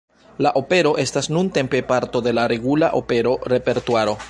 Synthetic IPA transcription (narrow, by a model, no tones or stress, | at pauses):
laʔo̞pe̞ɾo̞ʔe̞stasnunte̞mpe̞paɾto̞de̞laɾe̞ɡulaʔo̞̰pe̞ɾo̞ɾe̞pe̞ɾtuaɾo̞